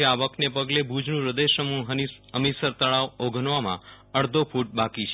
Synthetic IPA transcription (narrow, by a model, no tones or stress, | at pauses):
eaʋəknepəɡlebʱud͡ʒɳũɾəd̪eʃəmũɦəəmisəɾt̪əɭaʋoɡʱənʋamã̰ | əɽd̪ʱopʰuʈ̚bakit͡ʃʰe